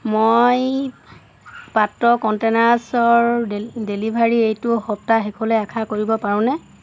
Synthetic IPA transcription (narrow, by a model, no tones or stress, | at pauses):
moj | patːɔkɔntenasɔɹdelibʱaɹiejtʊxɔp̚taɦɛkʰɔlɛakʰakoɹibɔpaɹʊ̃nɛ